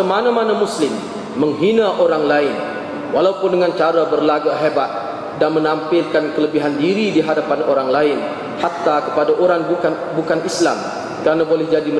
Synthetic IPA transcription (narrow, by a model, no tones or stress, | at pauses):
əmanamanamuslɪmː | əŋɦinaʔoɾaŋlaɪn | walaupʊndəŋant͡ʃaɾabərlaɡaɦebat̪̚ | danmənampɪlkankələbiɦandiɾidiɦadapanoɾaŋlaɪn | hak̚t̪akə̥padaʔoɾaŋ | bukanisla̰m | kəɾanabolɛhd͡ʒadimə